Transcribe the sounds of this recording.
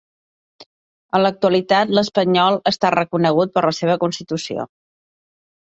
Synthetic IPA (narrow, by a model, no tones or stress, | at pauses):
ənlək̚t̪uəlit̪at̪ləspəɲɔlˠəst̪arəkunəɣ̞ut̪̚pəɾləseβ̞əkunst̪it̪usio̰